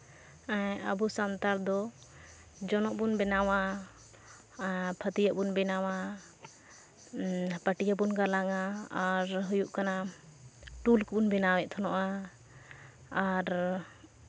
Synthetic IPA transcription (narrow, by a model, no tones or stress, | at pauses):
aə̰busant̪aɾd̪ɔ | d͡ʒɔnɔʔbunbɛnawa | pʰət̪ijaʔbunbɛnawa | pəʈijabunɡalaŋaaɾɦujuʔkana | ʈulkbunbɛnawɛʔ̚t̪ʰɔnɔʔa | aɾ